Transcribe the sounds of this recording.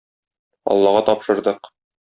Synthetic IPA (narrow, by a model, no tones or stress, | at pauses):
ɒ̰lˠːɑʁɑt̪ɒpʃɤ̆ɾd̪ɤq